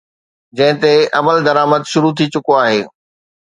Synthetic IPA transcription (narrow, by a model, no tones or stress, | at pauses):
d͡ʑɐ̃ɦɪ̃t̪eɐməld̪ɐɾaːməd̪ʃʊɾut̪ʰit͡ɕʊkoaːɦeː